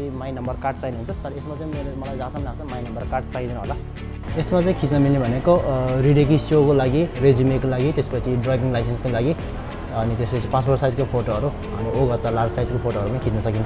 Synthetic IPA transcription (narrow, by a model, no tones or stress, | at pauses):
imajnʌmbʌrkarʈ̚t͡saineɦunt͡sʰʌt̪ʌɾʌesmat͡saĩmelemʌlajd͡zãsʌmnat͡sʰmajnʌmbʌrkarʈt͡saĩd̪inuɦola | esmat͡saĩkʰit͡snʌmilnebʱʌnekoriɽek̬isokolaɡired͡zimekolaɡit̪espʌt͡sʰiɖrabiŋlajsenskolaɡi | ʌnit̪espʌt͡sʰipãt͡sbʱʌrsajd͡zkopʰoʈoʌɾu | ʌ̰nioɡʌt̪alarɡsajd͡zkopʰoʈoʌɾupʌnĩkʰit͡snʌsʌkint͡sʰ